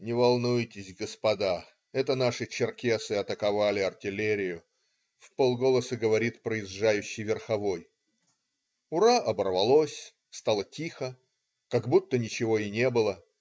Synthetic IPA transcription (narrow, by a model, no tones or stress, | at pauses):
nʲɪvɐlˠnujtʲɪsʲɡəspɐd̪a | ɛt̪ənaʂɨt͡ɕɪrkʲesɨɐt̪əkɐvalʲɪɐrtʲɪlʲeɾʲɪjʊ | fpolˠɡo̞lˠəsɨɡəvɐɾʲit̪pɾəɪzʐajʉɕːɪjvʲɪrxɐvo̞j | ʊɾaʔɐbərvɐlˠosʲ | st̪alˠətʲixə | kɐɡbut̪ːənʲɪt͡ɕɪvo̞ɪnʲe̞bɨlˠə